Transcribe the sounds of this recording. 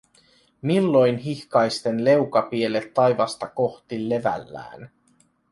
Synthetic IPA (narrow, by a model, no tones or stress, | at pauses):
milːo̞jnɦiçkɑjst̪e̞nle̞wkɑpiele̞t̪ːɑjʋɑst̪ɑko̞xt̪ilːe̞ʋæ̰lːæ̰ːn